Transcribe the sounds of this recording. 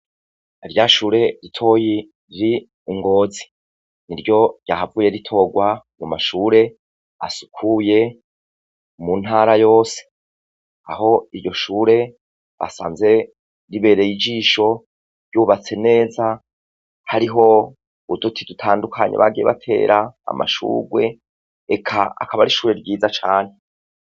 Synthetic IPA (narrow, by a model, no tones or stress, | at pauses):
iɾjaʃuːɾe̞ɾitʰo̞ji | iɾi | ŋɡo̞ːzi̥ | niɾɟo̞ɾjaːhavuːje̞ɾitʰo̞ːɡwa | mumaʃuːɾe̞ | a̰su̥kʰuje̞ | mun̥ɦaːɾajo̞ːse̥ | aɦo̞iɾjɟo̞ʃuːɾe̞ | βa̰sa̰ːnze̞ | ɾiβe̞ːɾe̞jid͡ʒiːʃo̞ | ɾjuːβat͡se̞ne̞ːza | haɾiɦo̞ | udutʰidutʰaːndukʰaɲeβa̰ɡijeβa̰tʰe̞̰ːɾʔaa̰mʔa̰ʃṵːɡwe̞ | ekʰa̰ːkʰaβaɾiʃuːɾe̞ɾɟiːzat͡ʃaːn̥e̞